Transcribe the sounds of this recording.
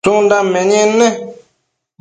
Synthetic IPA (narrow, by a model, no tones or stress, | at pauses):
ũndamɛ̃ɲɛ̃nɛ̃